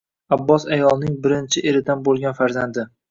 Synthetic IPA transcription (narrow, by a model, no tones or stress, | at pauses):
abːɒsajɒlˠnɪŋbɪɾɪnt͡ʃʰɪʔeɾɪd̪anbolˠɡʲanfaɾzand̪ɪ